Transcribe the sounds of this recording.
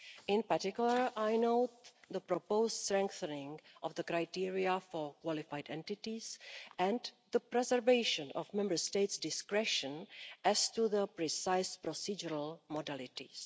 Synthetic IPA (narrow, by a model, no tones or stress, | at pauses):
ʔɪ̃npaɾtɪkjuləɹʔajnowt̪d̪əpɾopowststɾɛ̃ŋkθənɪ̃ŋʔɔfd̪əkɾajtiɹiafoɹkwɔlɪfajdɛ̃ntɪtisʔɛ̃ndðəpɾɛzɛɾveɪʃə̃nɔfmɛ̃mbəɹsteɪtsdɪskɾɛʃə̃nʔɛstuðəpɾisajspɾosid͡ʒuɾalmodalɪt̪is